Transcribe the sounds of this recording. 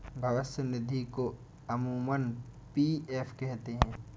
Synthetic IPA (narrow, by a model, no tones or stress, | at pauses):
bʱɐʋəsənɪd̪ʱiko | ɐmuːmənpieːpʰkɛɦt̪eɦɛ̃ː